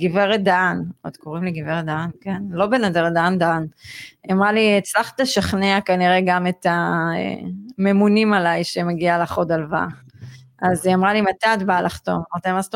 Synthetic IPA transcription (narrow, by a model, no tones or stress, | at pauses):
ɡiveʁed̪aːnot̪kʰoʁimliɡiveʁed̪aankenlo̞benad̪eʁed̪aand̪anamʁaliet͡slaχtaʃaχneakaniʁe̞ɡamet̪aḛmemunimalajʃemeɡialaχod̪alva̰ | azamʁalimat̪at̪balʔaχt̪o̞mmaʁt̪amasto